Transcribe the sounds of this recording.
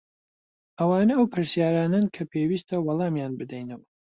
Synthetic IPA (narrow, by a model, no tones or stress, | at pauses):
ʔɐwaːnɐɐwpʰɨɾsjaːɾaːnɐnkʰɐpʰeːwiːst̪ʰɐwɑlˠɑːmjaːnbɨd̪ɛjnɐwɐ